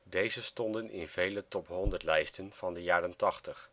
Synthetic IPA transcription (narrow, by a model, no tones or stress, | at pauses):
dejzəstɔndənɪ̰nv̥ejlətɔpɦɔndəɹtlɛjstənv̥ɑndəjaːrəntɑχtəχ